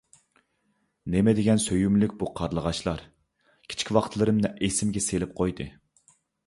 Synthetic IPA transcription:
nɪmɛd̪eɡʲɛnsøjymlykʲbuqʰɑɾlˠəʁɑʃlˠɑɾ | kʲʰi̥t͡ʃʰkʲwɑqt̪ʰlˠɨɾɨmnɛʔesɪmɡʲɛselɪp̚qʰojd̪ɨ

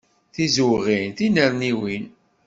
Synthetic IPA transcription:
θizuwʁinθinəɾniwin

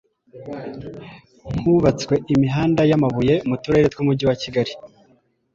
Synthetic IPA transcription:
ŋ̥huβat͡swe̞ʔimiɦaːndajamaβuje̞mutuɾe̞ːɾetwumudɟiwaciɡaɾi

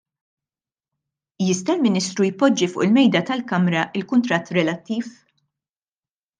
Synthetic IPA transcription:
jɪst̪ɐlmɪniːst̪ɾujpːɔd͡ʒːifʊ̰ːʔɪlmɛjd̪ɐt̪ɐlkɐmɾɐʔɪlkʊnt̪ɾɐt̪ːɾɛlɐt̪ːiːf

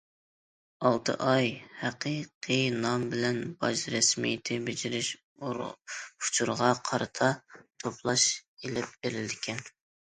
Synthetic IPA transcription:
ɑlˠt̪ʰɨ̰ʔɑjhæqiqʰinɑmbɪlɛnbɑ̰ʃɾɛsmḭjt̪ʰɪbed͡ʒɪɾɪʃ | u̥t͡ʃʰuɾʁɑqʰɑɾɨt̪ʰɑt̪ʰoplˠɑʃelɪp̚beɾɪld̪ɪkʲʰɛn

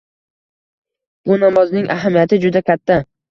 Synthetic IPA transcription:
bʊnamɒznɪŋʔaɦamijat̪ʰɪd͡ʒʊd̪akʲʰat̪ʰːa

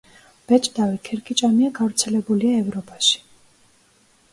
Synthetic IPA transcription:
b̥ɛt͡ʃʼd̪avikʰɛɾɡʰʼit͡ʃʼamiaɡavɾt̪sʰɛlɛbuliaɛvɾɔpʼaʃi̥

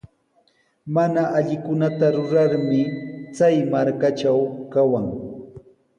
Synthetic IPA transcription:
manaʔaʎɪkʊnat̪aɾʊɾaɾmɪt͡sajmaɾkat͡ʃawkawaŋ

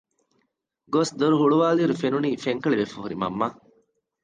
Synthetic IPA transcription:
ɡosd̪oɾuɦuɭuʋaːliːɾufenuniːfeŋkɐɭiʋefuɦuɾimɐ̰mːa

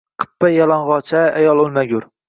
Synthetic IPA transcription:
qʰə̥pːɛjɑlˠɑɴʁɑt͡ʃʰɛæjɑlˠolˠmɛɡʲuɾ

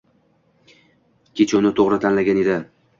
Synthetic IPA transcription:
kʲʰet͡ʃʰaʊnɪt̪ʰoʁɾɪt̪ʰanlaɡʲane̞d̪ɪ

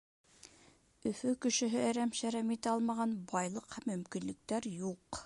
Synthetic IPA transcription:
ɵ̆fɵkɵ̆ʃɘ̆ɦɘæɾæmʃæɾæmit̪æɑlˠmɑʁɑnbɑjlˠɤqhæmːɵ̆mkinlɘ̆k̚t̪æɾjuq

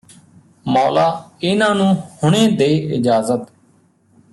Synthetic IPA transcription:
mɔːlaːɪnãːnũːhʊɳ̃ẽːd̪eːɪd͡ʒaːzət̪

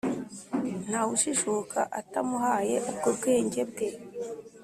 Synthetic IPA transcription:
n̥hawuʃiʃukʰa̰ʔatamuɦaːje̞ʔubɡobɡeːɲɟe̞bɡe

